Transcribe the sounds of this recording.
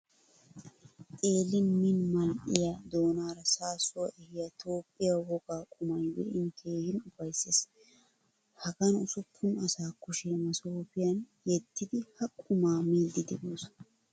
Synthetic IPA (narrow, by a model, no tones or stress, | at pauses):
t̪ʼe̞ːlːɪnmɪnmɐlʔɪ̰jad̪o̞ːnaːɾɐsaːsʊwɐʔɛhɪjɐt̪ʰo̞ːpʼːɪjawɔɡaːkʼʊmɐjwɛ̰ʔɪnkʰeːhɪnʊfɐjses | hɐɡɐnʊsʊpʰːʊnɐsaːkʊʃɛmɐsoːpɪjɐn | jɛt̪ːɪd̪ɪhɐkʼʊmaːmiːld̪ɪd̪ɪbuːs